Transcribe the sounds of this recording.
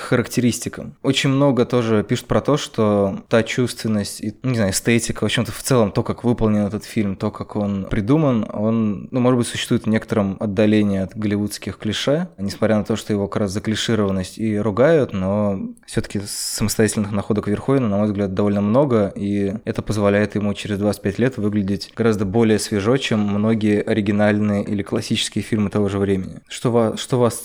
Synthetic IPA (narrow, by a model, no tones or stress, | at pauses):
xəɾəktʲɪɾʲisʲtʲɪkə̰o̞t͡ɕɪnʲmno̞ɡət̪o̞ʐɨpʲiʂʊ̥t̪̚pɾɐt̪o̞ʂt̪ot̪at͡ɕust̪vʲɪnːəsʲtʲinunʲɪznaʊɛst̪etʲɪkəvoɕɪmt̪əft̪sɛlˠəmt̪o̞kakvɨpəlˠnʲɪnɛt̪ət̪fʲilʲmt̪o̞kako̞npɾʲɪd̪uməno̞nnumoʐɨd̪bɨtʲsʊɕːst̪vuːɪt̪vnʲe̞kə̥t̪əɾəmɐd̪ːɐlʲenʲɪːɐt̪ɡəlʲɪvut̪skʲɪxklʲɪʂɛnʲɪsmɐt̪ɾʲanɐt̪o̞ʂt̪ojɪvo̞kɐkɾaszəklʲɪʂɨɾəvənːəsʲtʲiɾʊɡajʊt̪no̞fsʲot̪ə̥kʲɪsːəməst̪ɐjatʲɪlʲnɨxnɐxo̞d̪əkvʲɪrxovʲɪnənɐmo̞jvzɡlʲat̪̚d̪ɐvo̞lʲnəmno̞ɡəiɛt̪əpəzvɐlʲæjɪt̪jɪmut͡ɕɪɾʲɪzd̪vasɨ̥tʲpʲɛtʲlʲe̞t̪vɨɡlʲɪdʲɪtʲɡ̥ɐɾazd̪əbo̞lʲɪjəsvʲɪʐo̞t͡ɕemːno̞ɡʲɪjəʔɐɾʲɪɡʲɪnalʲnɨjəʔilʲɪklˠɐsʲit͡ɕɪ̥skʲɪjəfʲilʲmɨt̪ɐvo̞ʐɨvɾʲemʲɪnʲɪ̰ʂt̪ovaʂt̪o̞vas